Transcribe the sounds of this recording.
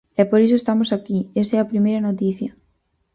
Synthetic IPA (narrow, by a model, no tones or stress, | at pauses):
ɛpoɾisoest̪amosakiesɛɐpɾimejɾɐnot̪̬iθjɐ